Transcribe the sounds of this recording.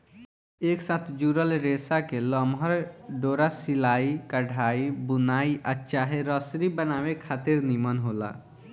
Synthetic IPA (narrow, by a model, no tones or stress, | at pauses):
eːksat̪ʰd͡ʒuɾəlɾesakeləmɦəɾɖoːɾasilaːikəɖʱaːibunaːiʔəːʃaɦeɾəsɾibənaːwekʰaːt̪ɪɾnimənɦola̰